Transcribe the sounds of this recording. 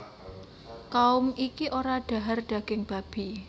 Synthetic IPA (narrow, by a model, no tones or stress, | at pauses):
kaʊmikiʔoɾaɖ̥a̤ɦarɖ̥ä̤ɡ̥ɪŋb̥a̤b̥i